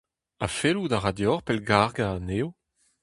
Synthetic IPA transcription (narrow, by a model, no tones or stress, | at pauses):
afelud̪aʁad̪jɔʁpɛlɡaʁɡaːnew